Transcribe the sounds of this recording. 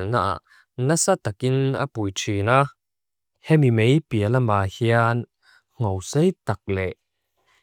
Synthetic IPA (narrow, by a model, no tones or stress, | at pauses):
lna̰ʔa̰ʔ | nɐsat̪ɐkina̰pujtʰina | hɛmimejpiəlɐmaːhian | ŋ̥owsejt̪ak̚lɛʔ